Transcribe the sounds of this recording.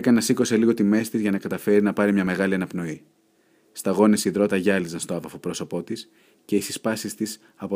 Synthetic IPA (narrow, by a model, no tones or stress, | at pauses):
ekɐnɐsiko̞se̞liɣo̞t̪ime̞st̪izʝɐnɐkɐt̪ɐfe̞ɾinɐpɐɾimɲɐme̞ɣɐliɐnɐpno̞i | st̪ɐɣo̞nesiðɾo̞t̪ɐʝɐlizɐnst̪o̞ɐvɐfo̞pɾo̞so̞po̞t̪is | ce̞isispɐsist̪is | ɐpo